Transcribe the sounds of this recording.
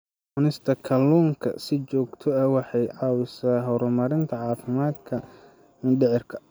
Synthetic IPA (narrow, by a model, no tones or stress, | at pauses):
ʊnɪst̪ʰɐkʰɐlːuŋkʰɐ̰sɪt͡ʃɔːɡt̪ʰɔɐwɑħɑjʕɑːwɪsaːɦɔɾʊmɐɾɪnt̪ʰɐʕɑːfɪmaːd̪kʰɐ | mɪnɖɛʕɪrkʰɐ